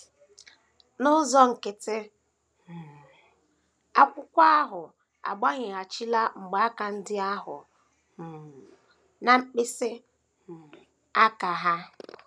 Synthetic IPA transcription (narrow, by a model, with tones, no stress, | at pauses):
nʊ˦zɔ˦ŋ̩˨ke˨te˦˨ | a˦kʷʊ˦kʷa˦a˦ɦʊ˨ | a̰˨ɡ͡ba˦ɲɪ˨a˨t͡ʃi˦la˦ŋ͡m̩˨ɡ͡ba˨a˦ka˨n̩˦dɪ˦a˦ɦʊ̰˨ | na˨ŋ͡m̩˦k͡pe˦se˦˨ | a˦ka˨ɦa˦